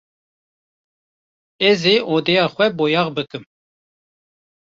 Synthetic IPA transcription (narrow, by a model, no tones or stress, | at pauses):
ɛzeʔoːd̪ɛjɑːxwɛboːjɑːʁbɨkɨm